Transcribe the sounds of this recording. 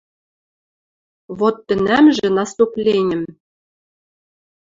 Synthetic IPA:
βot̪ːɘ̆næmʒɘ̆nɑst̪uplʲenʲɘ̆m

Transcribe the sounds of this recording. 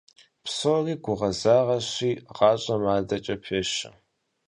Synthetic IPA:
psoriːɡʷʊʁɐzaːʁɐɕiːʁɑːɕʼɐmaːdɐt͡ʃʼɐpʰeːɕɐ̰

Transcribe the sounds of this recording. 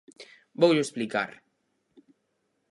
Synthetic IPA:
bowʎoesplika̰ɾ

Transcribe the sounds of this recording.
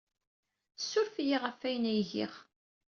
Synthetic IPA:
sːʊɾfjiʁəfæjənæjʝḭχ

